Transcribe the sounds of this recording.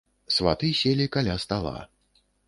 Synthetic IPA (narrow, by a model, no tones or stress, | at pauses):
sva̰t̪ɨsʲelʲikalʲast̪alˠa̰